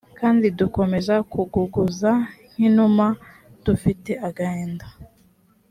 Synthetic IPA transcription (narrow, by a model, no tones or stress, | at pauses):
kaːndiduko̞me̞zakuɡuɡuzaŋ̥inuma | d̥ufiteʔaɡaeːnda